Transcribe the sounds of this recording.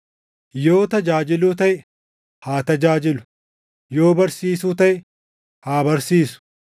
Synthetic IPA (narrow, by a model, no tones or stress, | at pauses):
jo̞ːt̪ɐd͡ʒaːd͡ʒɪlʊːt̪ɐj | haːt̪ɐd͡ʒaːd͡ʒɪlʊ̥ | jo̞ːbɐɾsiːsʊt̪ɐj | haːbɐɾsiːsʊ̥